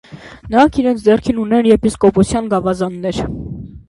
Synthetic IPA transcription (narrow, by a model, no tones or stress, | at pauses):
nəɾɑŋkʰiɾɛnt͡sʰd͡z̪ɛrkʰinunɛnjɛpʰiskɔpɔsʰjɑnɡɑvɑzɑnːɛɾ